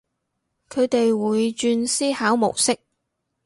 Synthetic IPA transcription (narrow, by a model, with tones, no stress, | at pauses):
kʰɵ˨˧ɥt̪e˨jwuː˨˧jt͡ʃyː˧nsiː˥haː˨˥wmo˨˩wsɪ˥k̚